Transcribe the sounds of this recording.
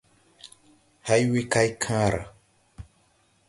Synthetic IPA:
ha˦jwi˦ka˦jkʰãː˦ɾa̰˨

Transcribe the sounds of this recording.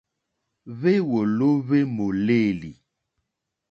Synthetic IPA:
βe˦wo˨lo˦βe˦mo˨le˦˨li˨

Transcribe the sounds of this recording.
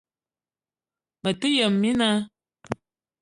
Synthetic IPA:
mə˨tɨ˦jə˨mːi˦na˦

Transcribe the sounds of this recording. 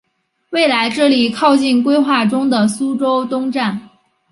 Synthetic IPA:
we˥˩ɪla˧˥ɪʈ͡ʂɤ˥˩li˨˩kʰɑ˥˧ʊt͡ɕi˥˩nkwe˥ɪxwa˥˩ʈ͡ʂʊ˥ŋd̪ə˨su˥ʈ͡ʂo˥ʊt̪ʊ˥ŋʈ͡ʂa˥˩n

